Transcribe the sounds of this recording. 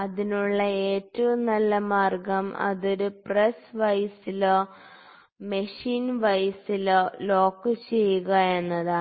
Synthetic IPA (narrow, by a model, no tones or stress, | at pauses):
ɐðinuɭːɐeːtːɐʋumnɐlːɐmaːrɡɐmɐ̰ðoɾupresʋɐjsil | mɐʂiːnʋɐjsillo̞ːkːɨt͡ɕejːuɣɐe̞nːɐða